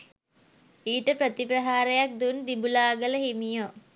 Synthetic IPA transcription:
iːʈəpɾət̪ipɾɐɦaːɾejak̚d̪und̪ibulaːɡələɦimijo

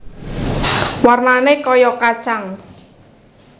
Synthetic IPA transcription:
warnanekɔjɔkat͡ʃaŋ

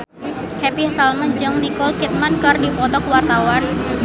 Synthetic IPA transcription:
hepihasalməd͡ʒəŋnikɔlkit̪̚mankɨrdipɔt̪ɔkwart̪awan

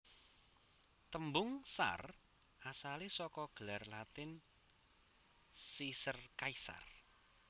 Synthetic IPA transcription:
t̪əmbʊŋsa̰r | ʔasalisɔkɔɡ̥əlarlat̪ɪn | sisərkaisa̰r

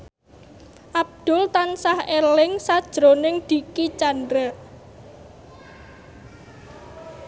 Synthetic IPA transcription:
ʔab̚d̪̥ʊ̤lt̪ansahelɪŋsad̥ʒ̥ɾonɪŋd̪̥i̤kit͡ʃandɾə

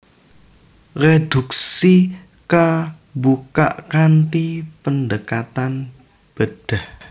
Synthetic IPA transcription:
red̪̥uksi | kə | buka̰ʔkant̪ipəndəkat̪an | b̥əd̪̥ah

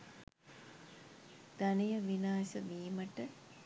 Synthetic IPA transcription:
d̪̥ænijəʋinaːsəʋiːməʈə

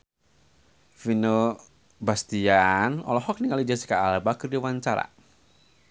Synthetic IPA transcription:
fino | bast̪ianɔ̰lɔɦɔk̚niŋalid͡ʒasi̥kaːlabakɨrdiwaɲt͡ʃaɾa̰

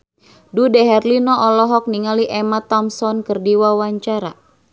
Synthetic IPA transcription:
dudɛɦɛrlinɔʔɔlɔɦɔk̚niŋaliʔɛmat̪ɔmsɔnkərdiwawaɲt͡ʃaɾa

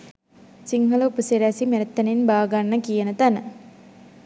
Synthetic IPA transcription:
siŋɦələupəseɾæsimeɾet̪ːɐninbaːɡanːəkijənət̪ænə

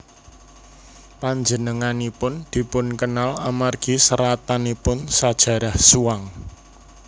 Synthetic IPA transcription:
paɲd͡ʒənəŋanipʊnd̪̥i̤pʊnkənalamarɡ̥i̤səɾat̪anipʊnsad̥ʒ̥ä̤ɾahsuaŋ

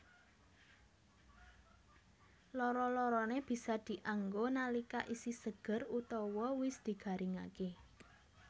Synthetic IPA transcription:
lɔɾɔlɔɾɔneb̥i̤sɔd̪̥i̤ʔaŋɡonalikaʔisisəɡ̥ə̤rut̪ɔwɔwɪsd̪̥i̤ɡ̥a̤ɾʔiŋa̰ke

